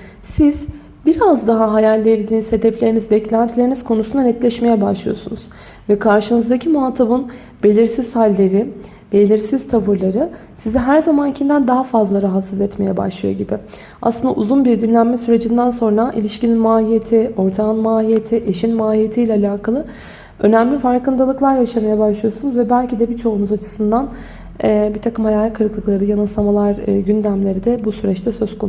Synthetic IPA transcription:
siz̥ | biɾazd̪aɦaɦajalʲːejɾid̪inizhe̞d̪ɛflʲe̞ɾinizbɛclʲænt̪ʰilʲeɾiniz̥kʰo̞nusund̪anɛt̪lʲɛʃme̞jɛbaʃlˠɯjo̞̰sunuz̥ | vɛkʰaɾʃɯnɯzd̪acʰimuat̪ʰabɯn | be̞lʲiɾsiz̥halʲːe̞ɾɪ | b̥e̞lʲiɾsiz̥t̪ʰavɯɾlˠaɾɯ | sizɛɦæɾzamancʰind̪ænd̪aɦafazlˠaɾaɦat̪sɯzɛt̪me̞jɛba̰ʃlˠɯjo̞̰ɟibɪ | a̰slˠɯnd̪auzunbiɾd̪inlʲænmɛsyɾe̞d͡ʒind̪ænso̞nɾaʔilʲiʃcininmaːhijet̪ʰio̞ɾt̪ʰanmaːɦijet̪ʰiʔe̞ʃinmaːhije̞t̪ʰijlʲɛːlʲaːkʰalˠɯ | ø̞næmlʲifaɾkɯnd̪alˠɯklˠaɾjaʃamajɛbaʃlˠɯjo̞sunuzvɛbælʲcʰid̪ɛbit͡ʃʰo̞unuzat͡ʃʰɯ̥sɯnd̪an | ɛbit̪ʰakɯmalaːɯkʰːɯɾɯklˠɯklˠaɾɯjanɯsˠamalˠaɾɟynd̪æmlʲe̞ɾid̪ɛbusyɾɛt͡ʃt̪ʰɛsø̞z̥kʰon

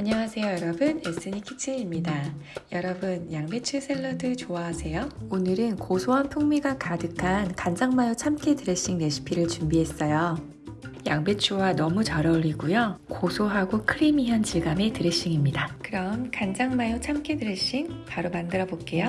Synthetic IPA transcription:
aɲawasʰe̞jojʌɾʌbɯnes͈ɯɲikʰit͡ɕʰɯɲimɲidajʌɾʌbɯnjaŋbe̞t͡ɕʰusʰe̞ɭːʌdɯt͡ɕoaɦːsʰe̞joonɯɾɯnkosʰoɦanpʰuŋmiɡakadɯkʰankand͡ʑaŋmajot͡ɕʰamkʰedɯɾeɕ͈iŋne̞ɕʰi̥pʰiɾɯɭt͡ɕumbiɦe̞s͈ʌjo | jaŋbe̞t͡ɕʰuwanʌmut͡ɕʌɾʌʎːiɡujokosʰoɦaɡokʰɯɾimiɦant͡ɕiɡame̞tɯɾeɕ͈iŋimɲidakɯɾʌmkand͡ʑaŋmajot͡ɕʰamkʰedɯɾɯɕ͈iŋpaɾomandɯɾʌbok͈e̞jo

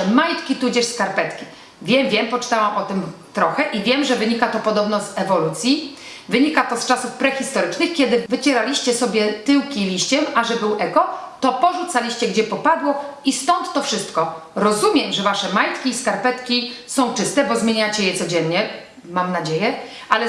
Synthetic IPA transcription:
majt̪kʲit̪ud͡ʑɛʂskaɾpɛt̪kʲi | vʲjɛmvʲjɛmpɔt͡ʂɘ̥t̪awamʔɔt̪ɘm | t̪ɾɔxɛʔivʲjɛmʐɛvɘɲikat̪ɔpɔd̪ɔbnɔzɛvɔlut̪sʲji | vɘɲikat̪ɔst͡ʂasufpɾɛxʲist̪ɔɾɘt͡ʂnɘxkʲɛd̪ɘvɘt͡ɕɛɾalʲiɕt͡ɕɛsɔbʲjɛt̪ɘwkʲilʲiɕt͡ɕɛmaʐɛbɘwʔɛkɔt̪ɔpɔʐut̪salʲiɕt͡ɕɛɡd͡ʑɛpɔpad̪wɔist̪ɔnt̪ːɔfʂɘst̪kɔɾɔzumʲjɛmʐɛvaʂɛmajt̪kʲiːskaɾpɛt̪kʲisɔ̃w̃t͡ʂɘst̪ɛbɔzmʲjeɲat͡ɕɛjɛt̪sɔd͡ʑɛnɲɛ | mamnad͡ʑejɛ | ʔalɛ

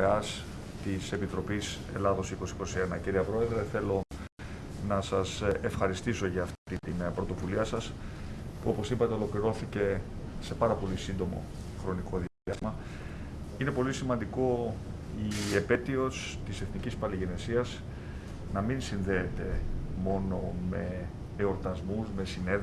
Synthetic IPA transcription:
eɐs | t̪ise̞pit̪ɾo̞pise̞lɐðo̞siko̞siko̞sie̞nɐciɾiɐpɾo̞e̞ðɾe̞θe̞lo̞ | nɐsɐsefxɐɾist̪iso̞ʝɐːft̪t̪it̪inpɾo̞t̪o̞vuliɐsɐspuo̞po̞sipɐt̪e̞o̞lo̞kliɾo̞θice̞ | se̞pɐɾɐpo̞lisind̪o̞mo̞̰ | xɾo̞niko̞ði | ɐzmɐ | ine̞po̞lisimɐnd̪iko̞ | ie̞pe̞t̪io̞s | t̪ise̞θnicispɐliʝe̞ne̞siɐz | nɐminsinðe̞ːt̪e̞mo̞no̞me̞ː | o̞ɾt̪ɐzmuzme̞sine̞

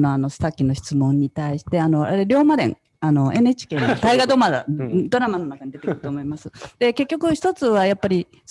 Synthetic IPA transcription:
no̞ano̞sɨ̥t̪akʲːino̞ɕi̥t͡sɨmõ̞ɲ̟ːit̪aiɕi̥t̪e̞ano̞ɾ̰ɾeɾʲo̞ːmad̪ẽ̞̰ŋ | ano̞e̞net͡ɕi̥ke̞ːnot̪aiɡad̪o̞mad̪o̞ɾamano̞nakaɲ̟id̪e̞t̪kɯɾɯ̥t̪oːmo̞imasɨd̪̥e̞ke̞kʲːo̞kɯ̟çi̥t̪o̞t͡sɨβajapːaɾʲi

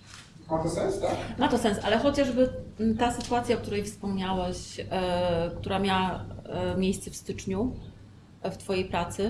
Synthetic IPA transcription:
mat̪ɔsɛ̃nst̪akmat̪ɔsɛnsʔalɛxɔt͡ɕaʐbɘt̪asɘt̪uat̪sʲjaɔkt̪uɾɛjfspɔmɲawɛɕ | kt̪uɾamʲjawamʲjejst̪sɛfst̪ɘt͡ʂɲu | ft̪fɔjejpɾat̪sɘ

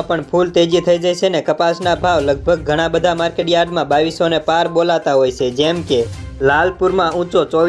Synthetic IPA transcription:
pəɳpʰult̪ed͡ʒit̪ʰəid͡ʒajt͡ʃʰenekəpasnabʱaʋləɡ̚bʱəɡ̚ːʱəɽ̃ãbəd̪ʱamaɾkeʈjaɾɖmãbaʋisonepaɾbolat̪aɦojt͡ʃʰed͡ʒɛmkelalpuɾmãũt͡ʃot͡ʃɔ

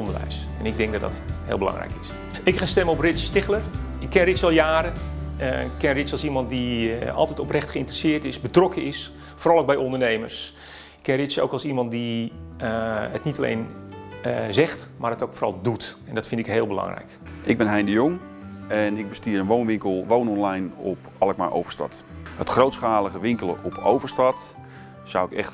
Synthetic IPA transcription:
ɔndərʋɛ̰js | ɛnɪɡ̚dɛŋɡdɔtdɔ̰thḛːlˠbəlɑ̰ŋrɛ̰jkɪs | ɪkχanstɛməɔprɪtsstɪχlər | ɪkʰːɛnrɪsɑlˠjaːɾə | kːɪnrɪsɑlˠsimɑnt̚diɑ̰lˠtɛjtɔprɛxtχəɪntərəsɪːtɪsbətrɔkəɪs | forɑlˠowk̚bɛjɔndərnejmə̰rs | ɪkʰːɛnrɪso̰ːwkɑlˠsimɑnt̚diəətnitalḛjn | zɛxtmaːrətowkfoːrɑ̰lˠdutɛndɔtfɪntɪkɦeːlˠbəlɑ̰ŋrɛ̰jkɪɡ̚bɪnɦɛjndəjʊŋ | ɛnɪɡ̚bəstiəɾənʋownʋɪŋkəlˠʋownɔnlajnɔ̰p | ɑlˠəkma̰ɹʔo̰wvəɹstɑ̰t | hətχrowtsχaːlˠəɣəʋɪŋkəlˠə̰ʔɔpʰo̰wvəɹstɑt | sa̰wɪkɛ̰xt

